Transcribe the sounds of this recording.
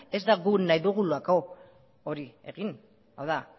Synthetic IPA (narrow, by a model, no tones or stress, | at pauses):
e̞zd̪aɣunajðuɣ̞uluako̞ | oɾie̞̰ɣin | a̰wða